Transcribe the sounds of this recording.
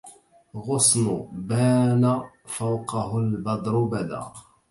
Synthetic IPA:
ɣʊsˤnʊbaːna | fawqɑɦʊlbɑd̪ˤɾʊbæd̪a̰

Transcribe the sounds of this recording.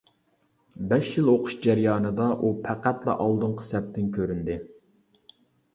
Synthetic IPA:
bɛʃjilˠoqʰʊ̥ʃd͡ʒæɾjɑːnɨd̪ɑʔupʰæqæt̪lˠɑ̰ʔɑlˠd̪ɨɴqʰə̥sɛp̚t̪ɪnkʲʰøɾynd̪ɪ

